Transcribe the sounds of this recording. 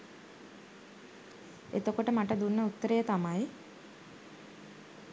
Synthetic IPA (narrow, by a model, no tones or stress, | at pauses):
et̪okoʈəmaʈəd̪unːəut̪ːəɾejət̪amaj